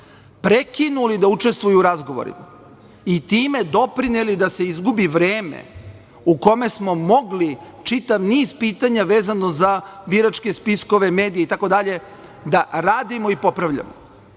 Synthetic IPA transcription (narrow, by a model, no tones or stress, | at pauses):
pɾe̞kinulid̪aut͡ʃe̞st̪ʋujuːɾazɡo̞ʋo̰ɾḭma | it̪iːme̞d̪o̞pɾinelid̪ase̞izɡubiʋɾeːmḛ | uko̞me̞smo̞mo̞ɡli | t͡ʃit̪aʋniːzpiːt̪aɲaʋe̞ːzano̞zabiɾat͡ʃke̞spisko̞ʋe̞me̞ːd̪ijeit̪ako̞d̪aʎe̞ | d̪aɾaːd̪imoipo̞pɾaʋʎa̰mo